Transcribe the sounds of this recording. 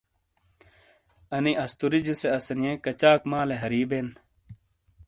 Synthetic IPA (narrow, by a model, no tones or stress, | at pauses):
ɐniʔɐst̪uɾid͡ʑiseɐsɐnijẽkɐt͡ɕaːkmaːleɦɐɾiːben